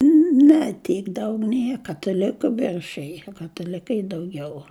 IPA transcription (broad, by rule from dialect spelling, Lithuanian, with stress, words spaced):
ˈnʲɛ ˈtʲiːk ˈdɐʊk ˈnʲiɛ kɐtɐˈlʲɪkʊ ˈʋʲɪrʲʃʲɪj kɐtɐˈlʲɪkɐɪ dɐʊˈɡʲɛʊ